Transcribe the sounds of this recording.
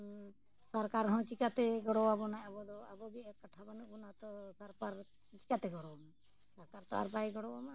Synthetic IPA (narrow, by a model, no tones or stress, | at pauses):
sɔɾkaɾɦɔ̃t͡ʃikat̪ɛɡɔɽɔwabɔnajabɔd̪ɔa̰bɔbiɛkaʈʰabanuʔbɔnat̪ɔsɔɾpaɾ | t͡ʃi̥kat̪ɛɡɔɽɔbɔna | sɔɾkaɾt̪ɔa̰ɾpajɡɔɽɔwama